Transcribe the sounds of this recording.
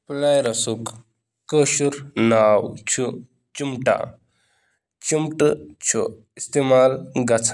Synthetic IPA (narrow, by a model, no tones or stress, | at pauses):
plajɾɐsuk | kəɕuɾnawt͡ɕʰu | t͡ʃimʈa̰ | t͡ʃimʈt͡ʃʰṵ | ist̪emaːlɡɐt͡sʰ